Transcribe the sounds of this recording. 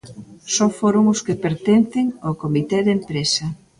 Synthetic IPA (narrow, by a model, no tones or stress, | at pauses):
sɔfoɾʊŋʊskɪpeɾt̪enθɪŋokomit̪ɛðempɾesɐ